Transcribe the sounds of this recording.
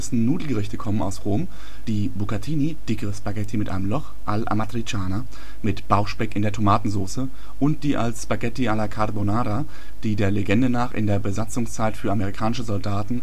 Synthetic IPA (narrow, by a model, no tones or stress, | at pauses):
ɪsn̩nuːdl̩ɡəʁɪçtəkʰɔməna̰ʊsʁoːm | d̥iːbukatʰiːnid̥ɪkəʁəspaɡɛtʰimɪtʔa̰ɪnəmlɔχ | ʔalʔa̰matʁit͡ʃaːna | mɪtb̥aʊxʃpɛkɪndeːɐtʰomaːtn̩zoːsə | ʔʊnt̚d̥iːʔa̰lsspaɡɛtiʔalɐkʰaʁbonaːɾa | d̥iːdeːɐleɡɛndənaːχɪ̰ndeːɐbəzat͡sʊŋst͡saɪtfyːɐameʁ̞ikʰaːnɪʃəzɔldaːtn̩